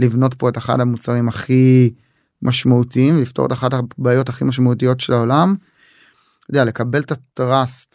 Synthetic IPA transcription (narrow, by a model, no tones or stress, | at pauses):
livno̞tpo̞eteχa̰d̪hamut͡saʁimhaχi | mʔaʃmautiimvelift̪o̞ʁetaχadabaːjo̞taχimaʃ̬mautijo̞tʃelao̞lam | od̪eale̞kabe̞ltatʁast